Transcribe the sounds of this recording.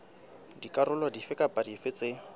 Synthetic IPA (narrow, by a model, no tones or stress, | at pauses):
dikʼarʊlɔdifɪkʼapʼadifɪt͡sʼɪ